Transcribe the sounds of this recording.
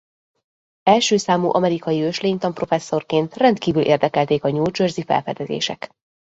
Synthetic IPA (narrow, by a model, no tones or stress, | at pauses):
ɛlʃøːsaːmuːʔɒmɛɾikɒjiøʃleːŋt̪ɒmpro̞fɛsːo̞rkeːnt̪rɛnt̪kiːvylʔḛːrd̪ɛkɛlt̪eːkɒɲoːd͡ʒørzifɛ̰lfɛd̪ɛzḛːʃɛ̰k